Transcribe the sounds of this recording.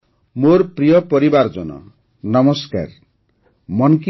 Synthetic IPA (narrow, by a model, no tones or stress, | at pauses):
morprijʌpʌɾibard͡zʌnʌ̰ | nʌmʌska̰r | mʌnki